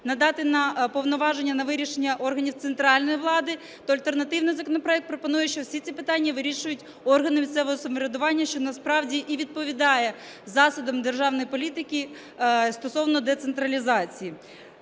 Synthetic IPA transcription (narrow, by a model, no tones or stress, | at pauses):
nɐd̪ɑt̪ɪnɐpɔʋnɔʋɑʒenʲːɐnɐʋɪɾʲiʃenʲːɐʔɔrɦɐnʲiwt̪sent̪ɾɑlʲnɔjiʋlˠɑd̪ɪ | t̪ɔɐlʲt̪ernɐt̪ɪwnɪjzɐkɔnɔpɾɔɛk̚t̪̚pɾɔpɔnujɛʃt͡ʃɔwsʲit͡sʲipɪt̪ɑnʲːɐʋɪɾʲiʃʊjʊtʲ | ɔrɦɐnɪmʲisʲsɛʋɔɦɔsɔmɔɾʲed̪ʊʋɑnʲːɐʃt͡ʃɔnɐspɾɑwdʲiʔiʋʲid̪̚pɔʋʲid̪ɑjɛ | zɑsʊd̪ɐmd̪erʒɑwnɔjipɔlʲit̪ɪki | st̪ɔsɔwnɔd̪ɛt̪sent̪ɾɐlʲizɑt͡sʲiji